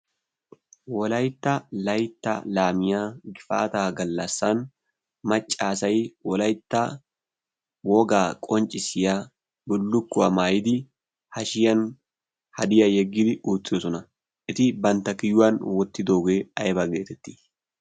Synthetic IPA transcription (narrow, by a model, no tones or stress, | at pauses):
wɔlɐjɪt̪ːɐlɐjt̪ːa̰laːmɪjaːɡɪfa̰ːt̪aːɡɐlːasːaːn | mɐt͡ʃʼːaːsɐjɪwɔlɐjt̪ːa | wɔɡaːkʼɔnt͡ʃʼɪsɪja | bʊlːʊkːʊɐmaːjɪd̪ɪ | hɐʃɪjɐn | hɐd̪ɪjajɛɡːɪd̪ɪʔuːt̪ːɪɔsɔnɐ | ʔɪt̪ɪbɐnt̪ɐkɪjʊanwɔt̪ːɪd̪oːɡeːɐjɪbɐɡeːt̪ːɛt̪ːɪ̥